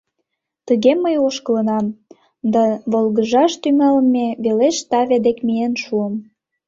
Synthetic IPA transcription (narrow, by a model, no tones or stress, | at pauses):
t̪əɣeməjoʃkələ̆nɑm | d̪ɑβolɣəʒɑʃt̪ymælmeβeleʃt̪ɑβed̪ekmijenʃuəm